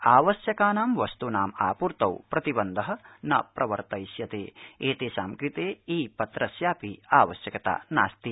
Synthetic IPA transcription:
aːʋɐsjɐkaːnaːmʋɐst̪unaːma̰ːpuɾt̪ɐwpɾɐt̪ibɐnd̪ʱɐɦɐ̆nɐpɾʔɐʋɐɾt̪ɐjsjɐt̪ḛːeːt̪eːsaːmkɾit̪eːiːpɐt̪ɾɐsjaːpiaːʋɐʃjɐkɐt̪a̰ːna̰ːst̪i

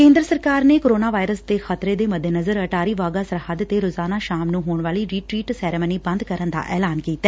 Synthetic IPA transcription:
kẽːnd̪ɾəsəɾkaːɾneːkoɾoːnaːʋaːɪɾəsd̪eːxət̪ɾeːd̪eːməd̪ʱenəzəɾəʈaːɾiːʋaːɡaːsəɾɦəd̪t̪eːɾoːzaːnaːʃaːmnũːɦoːɳʋaːliːɾiːʈɾiːʈsɛːɾeməniːbə̃nd̪kəɾənd̪a̰ːʔɛːlaːnkiːt̪ːaɛː

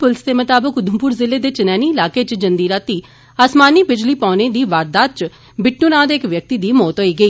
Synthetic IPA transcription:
pʊlsd̪eːmət̪aːbəkʊd̪əmpuːɾzɪlːeːd̪eːt͡ʃɪnɛːniːɪlaːkeːt͡ʃd͡ʒənd̪iːɾaːt̪iː | aːsmaːniːbɪd͡ʒliːpaːneːd̪iːʋaːɾd̪aːt̪̚t͡ʃ | bɪʈnunãːd̪eːkʋjək̚t̪iːd̪iːmoːt̪ɦoːiːɡəiː

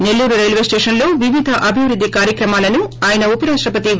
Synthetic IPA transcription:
ne̞lːuːɾuɾejlʋesʈeːʂɐnlo̞ːʋiʋid̪ʱɐʔɐbʱiʋɾud̪ʱːikaːɾjɐkɾɐmaːlɐnuaːjɐnɐupɐɾaːʂʈɾɐpɐt̪i

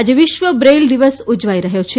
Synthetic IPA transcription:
ad͡ʒeʋɪʃʋəbɾeld̪iʋəsud͡ʒʋaiɾəɦjot͡ʃʰe

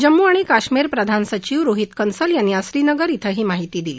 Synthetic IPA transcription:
d͡ʑəmːuaɽ̃ikaʂmiɾpɾəd̪ʱansət͡ɕiʋɾoɦit̪kənsəljanːiasɾiːnəɡəɾit̪ʰəɦiːmaɦit̪iːd̪iliː

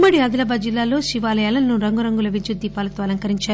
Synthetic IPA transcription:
mːɐɽiɐd̪ɐlɐbaːd͡ʒilːaːlo̞ːʃiʋaːlɐjaːlɐnnuɾɐŋɡuɾɐŋɡulɐʋid͡ʒjud̪ːiːpaːlɐt̪oɐlɐŋkɐɾiɲt͡ʃaː

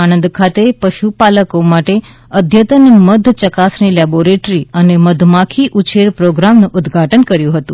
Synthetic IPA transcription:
anənd̪kʰat̪epəʃupaləkomaʈe | əd̪ʱjət̪ənməd̪ʱt͡ʃəkasnilɛboɾeʈɾiəneməd̪ʱmakʰiʔut͡ʃʰeɾpɾoɡɾamnũʔʊd̪ɡʱaʈənkəɾjũɦət̪ũ

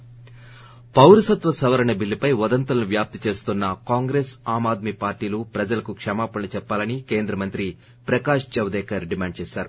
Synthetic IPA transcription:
pɐwɾɐsɐt̪ʋɐsɐʋɐɾɐɳɐbilːipɐjʋɐd̪ɐnt̪ɐlɐnuʋjaːp̚t̪it͡ʃe̞ːst̪unːɐkaːŋɡɾeːsaːmaːd̪̚mipaːɾʈiːlupɾɐd͡ʒɐlɐkukʂɐmaːpɐɐnɐt͡ʃɛpːaːlɐnikeːnd̪ɾɐmɐnt̪ɾi | pɾɐkaːʂd͡ʒɐʋd̪ɛːkɐɾɖimaːɳɖ̚t͡ʃeːʃaːɾu

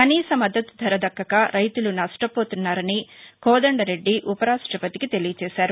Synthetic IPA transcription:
kɐniːsɐmɐd̪ːɐt̪ud̪ʱɐɾɐd̪ɐkːɐkaːɾʔɐjt̪ulunɐʂʈɐpoːt̪unːaːɾɐnikɔːd̪ɐɳɖɐɾe̞ɖːiʔupɐɾaːʂʈɾɐpɐt̪ikit̪e̞lijɐt͡ʃɛːʃaːɾu

